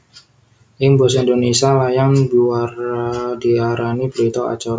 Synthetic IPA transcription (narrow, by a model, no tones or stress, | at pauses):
ʔɪŋbɔsind̪onesialajaŋbiwardiaɾanibəɾit̪ɔa̰t͡ʃaɾ